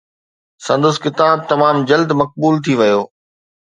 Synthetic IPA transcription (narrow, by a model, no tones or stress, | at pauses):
sɐ̃nd̪ʊskɪt̪aːb̚t̪ɐmaːmd͡ʑɐld̪mɐk̚buːlt̪ʰiʋɐjoː